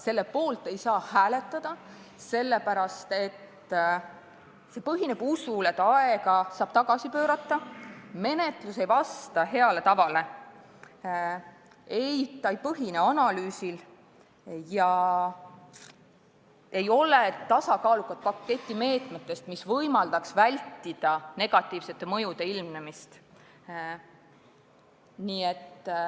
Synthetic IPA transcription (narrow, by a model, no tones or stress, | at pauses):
se̞lːe̞po̞ːlt̪ːe̞jsɑːhæːle̞t̪ːˑɑd̪̥ɑ | se̞lːe̞pæɾɑst̪e̞t̪ː | se̞pɤɦine̞b̥usulet̪ːˑɑeɡɑsɑːb̥t̪ɑɡ̥ɑsipø̞ːɾɑt̪ːˑɑme̞ne̞t̪ˑluse̞jvɑst̪ɑɦe̞ɑle̞t̪ɑvɑle̞ | ejt̪ːˑɑjpɤɦine̞ɑnɑlyːsil | jɑ | e̞jo̞let̪ɑsɑkɑːlukːˑɑt̪̚pɑkːe̞t̪ʲːˑime̞ːt̪ˑmet̪ːˑe̞st̪misvɤjmɑld̪̥ɑksvælʲt̪ːid̪̥ɑne̞ɡ̥ɑt̪ːˑiːv̥se̞t̪ːˑe̞mɤ̞jud̪e̞ilmnemist̪ | niːe̞t̪ː